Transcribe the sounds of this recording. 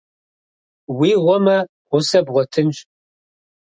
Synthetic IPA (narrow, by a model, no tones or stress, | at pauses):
wiːʁʷɔmɐ | ʁʷʊsɐbʁʷɔtʰɨmɕʼ